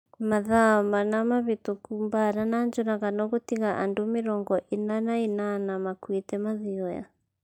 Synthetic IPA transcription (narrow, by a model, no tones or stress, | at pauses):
maðamanamaβitukumbaɾanand͡ʒɔnaɣanɔɣotiɣaʔa̰ndomɪɾɔŋɡɔʔinanainanamakwitɛmaðiɔja̰